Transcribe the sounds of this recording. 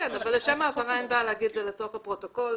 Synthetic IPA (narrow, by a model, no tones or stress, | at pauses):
enavalːeʃamaːfaʁainbalehaɡid̪zelet͡so̞χhapʁo̞to̞ko̞l